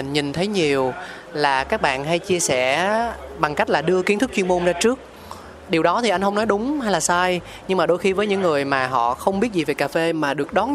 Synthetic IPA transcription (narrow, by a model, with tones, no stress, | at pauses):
ŋɲi˨˩nt̪ʰə˨˦jɲi˨˩əw | laː˨˩kaː˦˥k̚ɓa̰ː˧˨nɦa˧jt͡ɕi˧əsɛ˧˩ɓa˨˩ŋka˦˥jk̚laː˨˩ɗɨ˧əki˨˦nt̪ɨ˦˥kt͡ɕwi˧əmo˧nzaː˧t͡ɕɨ˦˥ək̚ | ɗi˨˩əwɗɔ˨˦t̪ʰi˨˩ʔa˧jn̟ɦə˧wŋ͡mnɔ˨˦jɗʊ˨˦ŋ͡mha˧jlaː˨˩saː˧j | ɲɨ˧ŋŋ͡mmaː˨˩ɗo˧jxi˧vəː˨˦jɲɨ̰˧˥ŋːɨ˨˩əjmaː˨˩ɦɔ̰˧˨xə˧wŋ͡mɓi˦˥ət̚zi˨˩ve˨˩kaː˨˩fe˧maː˨˩ɗɨ˨˩ək̚ɗɔ˨˦n